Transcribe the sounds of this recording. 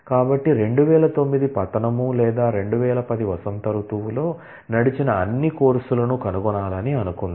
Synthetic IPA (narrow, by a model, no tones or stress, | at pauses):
kaːbɐʈːiɾe̞ɳɖuʋɛːlɐt̪o̞mːid̪ipɐt̪ɐnɐmulɛːd̪aːɾe̞ɳɖuʋɛːlɐpɐd̪iʋɐsɐnt̪ɐɾut̪uwulo̞ː | nɐɽit͡ʃinɐɐnːikoːɾsulɐnukɐnuɡɔnaːlɐniɐnukund̪